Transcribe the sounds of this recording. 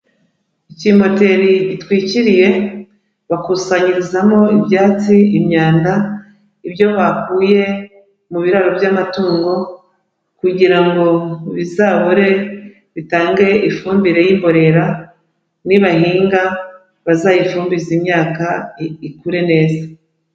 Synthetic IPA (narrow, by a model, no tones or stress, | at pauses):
icimo̞te̞ɾiɟitwiːciɾije̞ | βakusaɲiɾizamo̞ibjaːt͡siimɲaːnda | ibjo̞βakuːje̞ | muβiɾaɾo̞bjamatuːŋɡo̞ | kuɟiɾaŋɡo̞βizaːβoɾe̞ | βitaːŋɡe̞ʔifuːmbiɾe̞jiːmbo̞ɾe̞ɾa | niβahiːŋɡa | βazajifuːmbizimɲaːkaikuɾe̞ne̞ːza